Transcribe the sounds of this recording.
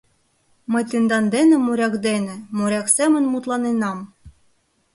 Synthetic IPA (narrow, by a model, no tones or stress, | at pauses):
mɤ̆jt̪ɨnd̪ɑnd̪enĕmuɾʲɑkd̪enĕmuɾʲɑksemə̆nmut̪lˠɑnenɑm